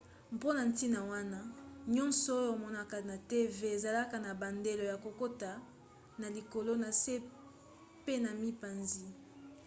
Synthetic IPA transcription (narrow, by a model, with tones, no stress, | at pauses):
mpo˦na˨n˦ti˦na˨wa˦na˦ɲɔ˦nsɔ˨o˦o˨mɔ˦na˦ka˨na˨te˦ve˦e˨za˨la˦ka˨na˨ba˨nde˨lo˨ja˨ko˨ko˦ta˨ | na˨li˨ko˨lo˦na˨se˦ | pe˦na˨mi˦pa˨nzi˦